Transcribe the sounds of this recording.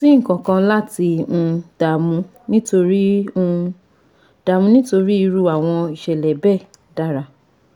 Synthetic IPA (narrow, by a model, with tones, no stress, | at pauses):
si˦ŋ̩˦˨kã˨kã˧la˦tĩ˧d̥a˨mũ˧ | nĩ˦to˧ɾĩ˦˧ | d̥a˨mũ˧nĩ˦to˧ɾi˦i˧ɾu˦a˨w̃ɔ̃˧i˨ʃɛ˨lɛ˨bɛ˦˨ | da˦˨ɾa˧